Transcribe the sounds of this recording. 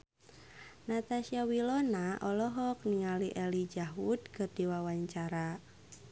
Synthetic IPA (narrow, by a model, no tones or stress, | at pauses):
nat̪aʃiawilɔnaʔɔlɔɦɔk̚niŋaliʔɛlid͡ʒaɦud̪kərd̥iwawaɲt͡ʃaɾa